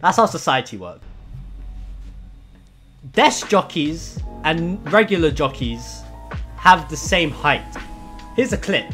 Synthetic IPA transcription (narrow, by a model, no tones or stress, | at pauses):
ðætshaʊsəsaɪətʰiwɜ̰ˑk | d̥ɛsd̥ʒ̥ɒkʰizʔə̃nɹɛɡjl̩ˠəd͡ʒɒkʰiz̥ | əvðəsẽɪ̃mhaɪthɪəzəkʰl̥ɪp